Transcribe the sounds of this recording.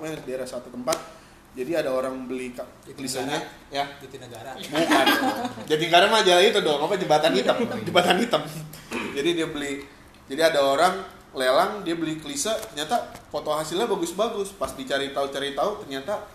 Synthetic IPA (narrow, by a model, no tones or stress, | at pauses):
madaeɾasat̪ut̪əmpat̪̚ | d͡ʒadiadaoɾaŋbəlika | kəlisəɲa | janəɡaɾamukad͡ʒat̪iŋkadaŋmad͡ʒalait̪ədɔŋapad͡ʒəmbat̪anit̪əmd͡ʒəmbat̪anit̪əmd͡ʒadidiabəlih | d͡ʒadiadaoɾaŋ | lelaŋdiabəlikəlisət̪ərɲat̪afot̪oɦasilɲabaɡʊsbaɡʊspasdit͡ʃaɾit̪aut͡ʃaɾit̪aut̪ərɲat̪a